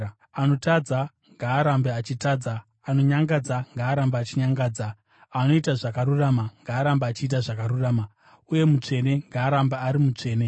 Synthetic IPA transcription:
ano̞tad͡za | ŋɡaːɾambeat͡ʃitaːd͡zaː | no̞ɲaŋɡad͡zaŋɡaːɾambaːt͡ʃiɲaŋɡaːd͡za | ano̞itaʐakaɾuraːmaŋɡaːɾambaːt͡ʃiːt̬aʐakaɾuraːma | uje̞mut͡ʂe̞ne̞ŋɡaːɾambaːɾimut͡ʂe̞ːne̞

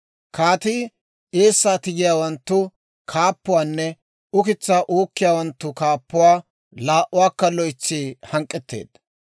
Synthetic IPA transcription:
kaːt̪i | eːsːaːt̪ɪɡɪjaːwɐnt̪ːʊ | kʰaːpːʊwaːnːɛ | ʊkɪt͡sːaːʔoːkːɪjaːwɐnt̪ːʊkaːpːʊwaː | laːʔʔʊwaːkːɐlɔjt͡ʃːiːhɐŋkʼːɛt̪ːḛːd̪̥

